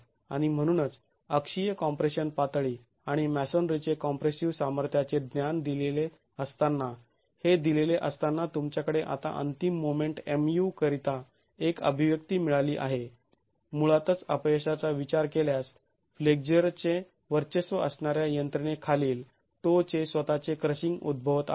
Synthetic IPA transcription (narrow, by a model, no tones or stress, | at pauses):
aɽ̃im̤əɽ̃unət͡s | əkʂijəkɔmpɾeɕənpat̪ɭiː | aɽ̃imæsɔnɖɾit͡ɕekɔmpɾesiʋsaməɾt̪ʰjat͡sed̪njand̪ilele | əst̪anːa | hed̪ileleʔəst̪anːat̪umt͡ɕjakəɽeʔa̰t̪a̰ʔə̰nt̪imːomeɳʈemjukəɾit̪a | ekə̰bʱiʋjəkt̪iːmiɭaliːʔa̰ɦe | muɭat̪ət͡səpjeɕat͡saʋit͡ɕaɾkeljas | fleɡ̚d͡ʑəɾt͡se | ʋəɾt͡ɕesʋəəsɳaɾjajənt̪ɾinekʰaliːl | ʈot͡sesʋət̪at͡sekɾəɕiŋɡṵd̪̚bʱəʋət̪a̰